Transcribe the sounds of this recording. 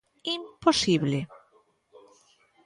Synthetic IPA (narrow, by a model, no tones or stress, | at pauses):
imposiβle